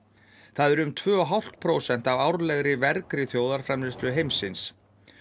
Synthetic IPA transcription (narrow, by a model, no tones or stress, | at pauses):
θaðɛɾʏmt̪ʰvœːɔɦawl̥t̪pʰɾowsɛn̥t̪avawɾlɛɣɾɪvɛɾkɾɪθjoːwðaɾ̥fɾɛmlɪst̪lʏɦejmsɪns